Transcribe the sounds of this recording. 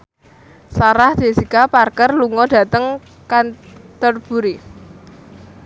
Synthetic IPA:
saɾahd̪̥e̤sikaparkərluŋɔɖ̥ä̤t̪əŋ | kant̪ɔrb̥ṳɾi

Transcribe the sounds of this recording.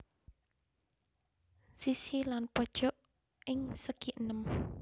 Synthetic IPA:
sisilanpɔd̥ʒ̥ɔʔ | ɪŋsəkiʔənəm

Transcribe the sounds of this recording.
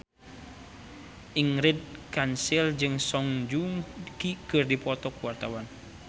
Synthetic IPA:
ʔiŋɾid̪̚kansild͡ʒɨŋsɔŋd͡ʒuŋkikɨrdipɔt̪ɔkuwart̪awan

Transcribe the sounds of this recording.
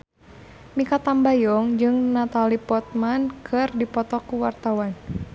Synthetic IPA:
mikat̪ambajɔŋd͡ʒɨŋnat̪alipɔt̪̚mankʰɨrdipɔt̪ɔkuwart̪awan

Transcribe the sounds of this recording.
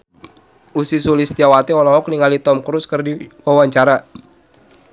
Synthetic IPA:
usisulist̪iawat̪ɛɔlɔɦɔkniŋalit̪ɔmkɾuskərdiwawaɲt͡ʃaɾa

